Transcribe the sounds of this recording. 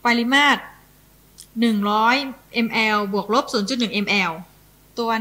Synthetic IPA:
pa˧jli˦˥maː˥˩t̪̚ | nɯ˨˩ŋɾɔː˦˥jʔe˧mʔɛː˧wbu˨˩ək̚lo˦˥p̚suː˩˦nt͡ɕu˨˩t̪̚nɯ˨˩ŋʔe˧mʔɛː˧w | t̪u˧ɐ

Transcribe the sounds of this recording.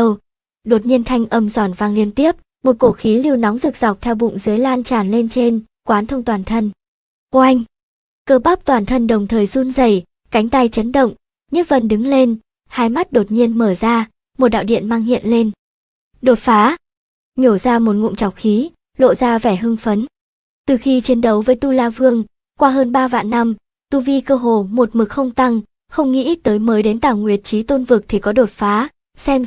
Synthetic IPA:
w | ɗo˨˩t̚ɲi˧ənt̪ʰa˧jŋ̟ʔə˧˩mzɔ˧˩nvaː˧˩ŋli˧ənt̪i˦˥əp̚ | mo˨˩t̚ko˧˩xi˨˦li˧əwnɔ˨˦wŋ͡mzɨ˨˩k̚z̥a˨˩wk͡p̚t̪ʰɛ˧wɓʊ̰˧˨ŋ͡mzɨ˨˦əjlaː˧nt͡ɕaː˧˩nle˧nt͡ɕe˧n | kwaː˨˦nt̪ʰə˧wŋ͡mt̪waː˨˩nt̪ʰə˧n | kwʔa˧jŋ̟ | kəː˧ɓa˦˥k͡p̚t̪waː˨˩nt̪ʰə˧nɗə˨˩wŋ͡mt̪ʰəː˨˩jsu˧nzə˧˩j | ka˨˦jŋ̟t̪a˧jt͡ɕə˨˦nɗə̰˧˨wŋ͡m | ɲɨ˦˥və˧˩nɗɨ˨˦ŋle˧n | haː˧jma˦˥t̚ɗo˨˩t̚ɲi˧ənməː˧˩zaː˧ | mo˨˩t̚ɗa̰ː˧˨wɗḭ˧˨ənmaː˧ŋhḭ˧˨ənle˧n | ɗo˨˩t̚faː˨˦ | ɲo˧˩zaː˧mo˨˩t̚ŋṵ˧˨ŋ͡mt͡ɕa˨˩w̚xi˨˦ | lo̰˧˨zaː˧vɛ˧˩ɦɨ˧ŋfə˨˦n | t̪ɨ˨˩xi˧t͡ɕi˨˦ənɗə˨˦wvəː˨˦jt̪u˧laː˧vɨ˧əŋ | kwaː˧ɦəː˧nɓaː˧va̰ː˧˨nːa˧m | t̪u˧vi˧kəː˧ɦo˧˩mo˨˩t̚mɨ˨˩k̚xə˧wŋ͡mt̪a˧ŋ | xə˧wŋ͡mŋḭ˧˥t̪əː˨˦jməː˨˦jɗe˨˦nt̪aː˧˩wŋwi˨˩ət̚t͡ɕi˨˦t̪o˧nvɨ˨˩k̚t̪ʰi˨˩kɔ˨˦ɗo˨˩t̚faː˨˦ | sɛ˧m

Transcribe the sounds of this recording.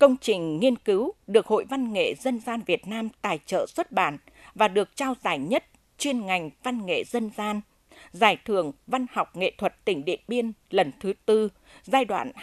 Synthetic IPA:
kə˧wŋ͡mt͡ɕï˨˩ŋ̟ŋi˧ənkɨ˨˦wɗɨ˨˩ək̚ho̰˧˨jva˧nŋḛ˧˨zə˧nzaː˧nvi˨˩ət̚naː˧mt̪aː˨˩jt͡ɕə̰ː˧˨swə˦˥t̚ɓa̰ː˧˩n | vaː˨˩ɗɨ˨˩ək̚t͡ɕaː˧wzaː˧˩jɲə˦˥t̚ | t͡ɕwi˧ənŋa˨˩jŋ̟va˧nŋḛ˧˨zə˧nzaː˧n | zaː˧˩jt̪ʰɨ˧˩əŋva˧nha˨˩wk͡p̚ŋḛ˧˨t̪ʰwə˨˩t̚t̪ï˧˩ŋ̟ɗḭ˧˨ənɓi˧ənlə˨˩nt̪ʰɨ˨˦t̪ɨ˧ | zaː˧jɗwa̰ː˧˨n

